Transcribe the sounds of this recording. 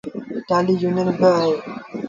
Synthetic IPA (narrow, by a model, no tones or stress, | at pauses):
ʈaːlijunənbəaɦeː